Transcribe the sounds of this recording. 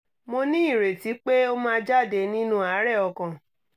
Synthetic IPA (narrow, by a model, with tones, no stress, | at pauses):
mo˧nĩ˦i˦˨ɾe˨ti˨˦k͡pe˦o˦mãː˦˧d͡ʒa˦˨de˨˦nĩ˦nũ˦a˨˦ɾɛ˦˨ɔ˧kã˨